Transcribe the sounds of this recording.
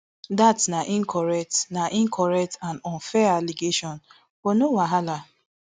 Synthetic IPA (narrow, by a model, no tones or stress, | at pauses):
datnaʔĩŋkʰɔɹɛk̚tnaʔĩŋkʰɔɹɛk̚tãnɔ̃nfɛaliɡeʃɔ̃n | fonowaɦala